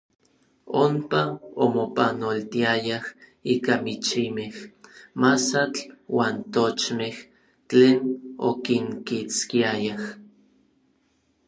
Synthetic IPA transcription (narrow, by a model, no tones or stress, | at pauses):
ompaomopanolt̪iajah | iːkamit͡ʃimehmasat͡ɬwaːnt̪ot͡ʃmeh | t͡ɬeːno̰kiŋkit͡skiajah